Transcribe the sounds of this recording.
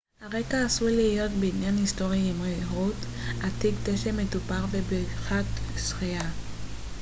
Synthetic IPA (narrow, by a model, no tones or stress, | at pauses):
haʁekaːsulijo̞tbeinjanhistoʁjaimʁeɦut | at̪iɡteʃemetupaʁvebeχatsχia